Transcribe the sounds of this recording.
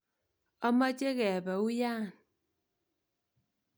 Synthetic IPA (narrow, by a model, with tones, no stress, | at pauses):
ɔ˦ma˦t͡ʃe˦ɣɛ˨ba˨u˦jaː˦˨n